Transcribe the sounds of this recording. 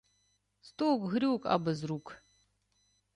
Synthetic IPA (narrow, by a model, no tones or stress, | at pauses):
stowkʼɣɨɾiwkʼa̰bɨzruːkʼ